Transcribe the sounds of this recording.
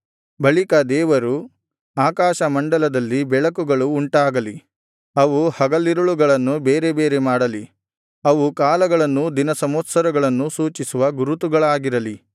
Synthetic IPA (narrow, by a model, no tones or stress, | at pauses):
bɐɭikɐd̪ɛːʋɐɾu | aːkaːʃɐmɐɳɖɐlɐd̪ɐlːibɛɭɐkuɡɐɭuːɳʈaːɡɐli | ɐʋuhɐɡɐlːiɾuɭuɡɐɭɐnːube̞ːɾe̞be̞ːɾe̞maːɽɐli | ɐʋukaːlɐɡɐɭɐnːud̪inɐsɐmoːt̪sɐɾɐɡɐɭɐnːusuːt͡ʃisuʋɐɡuɾut̪uɡɐɭaːɡiɾɐli